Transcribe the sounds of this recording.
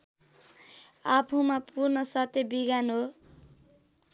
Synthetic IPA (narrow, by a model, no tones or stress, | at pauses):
apʰumapurnʌsʌt̪ebiɡanɦo